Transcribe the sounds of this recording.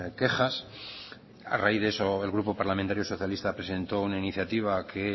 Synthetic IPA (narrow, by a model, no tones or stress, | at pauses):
ke̞χas | a̰raiðeeso̞e̞lɣɾupo̞paɾlamẽnt̪aɾjo̞so̞θjalist̪apɾe̞se̞nt̪o̞unainiθjat̪iβ̞akʰe̞